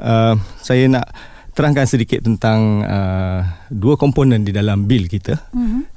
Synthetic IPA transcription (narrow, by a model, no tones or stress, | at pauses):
ʔəmsajanaʔ | t̪əɾaŋkansədikɪt̪ːənt̪aŋə | duəkɔmponə̃ndidalambilkit̪ə